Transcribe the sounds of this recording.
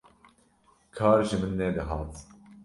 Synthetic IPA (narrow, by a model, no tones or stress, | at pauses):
kʰɑːɾʒɨmɨnːɛd̪ɨɦɑːt̪